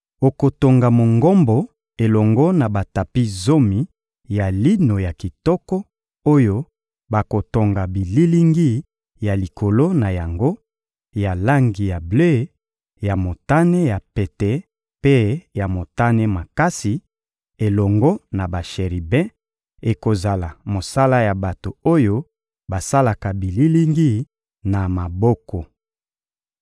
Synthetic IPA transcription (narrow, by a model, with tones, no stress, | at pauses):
o˨ko˨to˨ŋɡa˨mo˨ŋɡɔ˦mbɔ˨ | e˨lɔ˨ŋɡɔ˦na˨ba˨ta˨pi˦zo˦mi˨ | ja˨li˦no˨ja˨ki˨tɔ˦kɔ˦ | o˦jo˦ | ba˨ko˨to˨ŋɡa˨bi˨li˦li˦ŋɡi˦ | ja˨li˨kʰo˨lo˦na˨ja˨ŋɡo˦ | ja˨la˦ŋɡi˨ja˨ble˦˨˦ | ja˨mo˨ta˦ne˦ja˨pe˨tɛ˨ | pe˦ja˨mo˨ta˦ne˦ma˨ka˦si˨ | e˨lɔ˨ŋɡɔ˦na˨ba˨ʃe˨ʁi˨bɛ̃˦ | e˨ko˨za˨la˨mo˨sa˦la˦ja˨ba˨to˨o˦jo˦ | ba˨sa˦la˨ka˨bi˨li˦li˦ŋɡi˦ | na˨ma˨bɔ˦kɔ˨